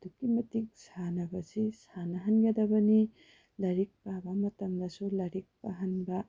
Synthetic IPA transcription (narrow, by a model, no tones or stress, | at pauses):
d̥̪ukimɐtik̚sanɐbɐsisanɐɦɐnɡɐdɐbɐni | lɐɾik̚pabamɐtɐmd̪ɐsulɐɾik̚paɦɐnbɐ